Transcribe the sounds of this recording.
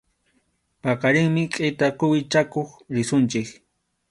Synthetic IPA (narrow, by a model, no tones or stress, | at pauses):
pɑqɑɾɪŋmɪqʼɪjt̪akʊwɪt͡ʃakoχɾɪsʊnt͡ʃɪk